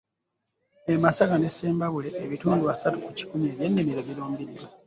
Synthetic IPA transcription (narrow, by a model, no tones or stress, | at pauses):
emasakane̞sːeːmbaβule̞ːβituːnduasatukuci̥kumeːβjeːnːemiɾeβiɾoːmbiɾiɾo